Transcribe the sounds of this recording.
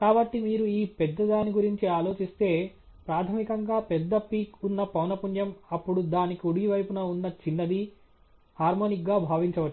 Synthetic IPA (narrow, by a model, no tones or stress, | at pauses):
kaːbɐʈːimiːɾuiːpɛd̪ːɐd̪aːniɡuɾiɲt͡ʃiaːlo̞ːt͡ʃist̪e̞ː | pɾaːt̪ʰɐmikɐŋɡaːpɛd̪ːɐpiːkunːɐpɐwnɐpunjɐmɐpːuɽud̪aːnikoɽiɡiʋɐjpunɐunːɐt͡ʃinːɐd̪i | haːɾmoːnik̚ɡaːbʱaːʋiɲt͡ʃɐʋɐʈː